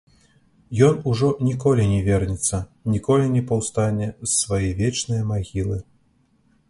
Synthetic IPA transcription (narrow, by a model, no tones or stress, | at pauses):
jɔnuʐɔnʲikɔlʲinʲɛvʲɛrnʲɛt̪sːɐnʲikɔlʲinʲɛpɐwst̪anʲɛsːvajɛvʲɛt͡ʂnɨjɐmaɣʲilˠɨ